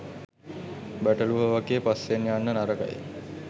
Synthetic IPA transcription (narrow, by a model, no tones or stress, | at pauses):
bæʈəluɦəʋaɡeːpasenjanːənaɾəka̰j